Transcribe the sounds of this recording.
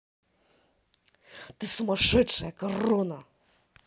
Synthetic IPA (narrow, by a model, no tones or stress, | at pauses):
t̪ɨsumɐʂɛtʂɐjɐkɐrɔnɐ